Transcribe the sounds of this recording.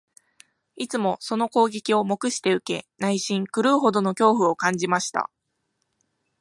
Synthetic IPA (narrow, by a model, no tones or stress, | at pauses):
it͡sɨmo̞so̞no̞ko̞ːɡʲekʲio̞mo̞kɯ̟ɕi̥t̪e̞ɯ̟ke̞naiɕĩŋkɯ̟ɾɯ̟ːɦo̞d̪o̞no̞kʲo̞ːɸɯ̟o̞kãɲ̟d͡ʑimaɕi̥t̪a̰